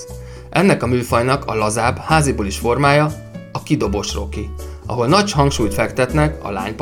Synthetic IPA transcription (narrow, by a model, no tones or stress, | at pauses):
ʔɛnːɛkɒmyːfɒjnɒkʰɒ̰lɒzaːbhaːziboːliʃfo̞rmaːjɒ | ɒkid̪o̞bo̞ʃro̞̰kiɒ̰ɦo̞lnɒɟhɒŋkʃuːjt̪fɛkt̪ɛt̪nɛkɒ̰la̰ːɲp